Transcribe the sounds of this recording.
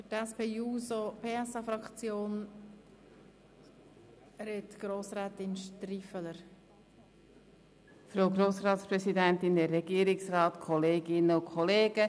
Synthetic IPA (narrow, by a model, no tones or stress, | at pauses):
fətɛspeːuːsopʰeːɛsɑfɾɑkt͡sjoːn | ɾɛtɡ̥ɾoːsɾɛːt̪ɪnʃtɾifələɾ | fɾowɡɾoːsrɑːt̪spɾɛsidɛnt̪ɪndɛrːɛɡiːɾɪksrɑːt̪kʰɔleːɡɪnəʊkʰɔleːɡə